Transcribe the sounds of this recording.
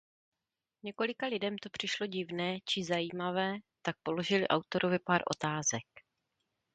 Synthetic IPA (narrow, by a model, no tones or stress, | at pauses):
ɲɛko̞lɪkalɪdɛmt̪o̞pr̝̥ɪʃlo̞ɟɪvnɛːt͡ʃɪzajiːmavɛːt̪ak̚po̞lo̞ʒɪlɪʔawt̪o̞ɾovɪpaːɾʔo̞̰t̪aːzɛk̚